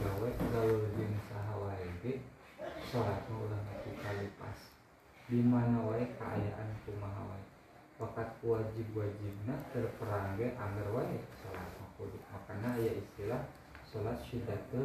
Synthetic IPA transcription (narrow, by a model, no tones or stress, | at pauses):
ɡawaɡawəlɡənsaɦawaɛɡɛ | solat̪̚maulahnak̪ikalipa̰s | dimanawaɛkaʔa̰ja̰ʔa̰nkumaɦa̰wa̰ɛ | pakat̪̚kuwad͡ʒibwad͡ʒib̚nat̪ərpəɾaŋɡɛʔaŋɡərwaɛsola̰t̪̚makuduk̪̚makanːaːjaist̪ilah | solat̪̚ʃit̪at̪ə